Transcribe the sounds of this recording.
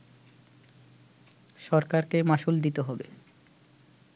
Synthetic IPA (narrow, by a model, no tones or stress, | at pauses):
ʃɔɾkaɾkemaʃuld̪it̪eɦɔbe